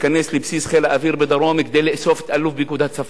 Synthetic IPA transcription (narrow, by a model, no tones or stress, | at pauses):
kanːeslɪbsiːsxelʔæfiːɾbɪd̪ɑɾˤoːmɪkd̪eːleʔsoːft̪ʔalːʊfbikud̪aːt̪saf